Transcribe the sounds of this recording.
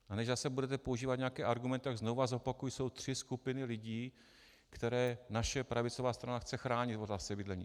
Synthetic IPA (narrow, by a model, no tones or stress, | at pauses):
ʔanɛʒzasɛbudɛt̪̬ɛpo̞uʒiːvat̪ɲeakɛːʔaɾɡumɛnt̪ɪt̪aɡznowvazo̞pakujso̞wt̪r̝̥ɪskupɪnɪlɪɟiː | kt̪ɛɾɛːnaʃɛpɾavɪt͡so̞vaːst̪ɾanaxt͡sɛxɾaːɲɪt̪volasɛbɪdlɛɲḭː